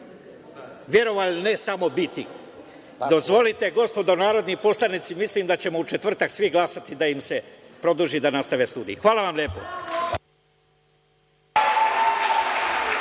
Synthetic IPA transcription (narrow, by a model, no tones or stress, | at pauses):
ʋje̞ɾo̞ʋalnesamo̞bit̪i | d̪o̞zʋo̞lit̪e̞ɡo̞spo̞d̪onaːɾo̞d̪nipo̞slˠanit̪simislimd̪at͡ɕe̞mout͡ʃet̪vr̩t̪aksʋiɡlˠasat̪id̪aimse̞pɾo̞d̪uʒid̪anast̪aʋest̪uːd̪ḭixʋaːlaʋamlʲje̞ːpo̞̰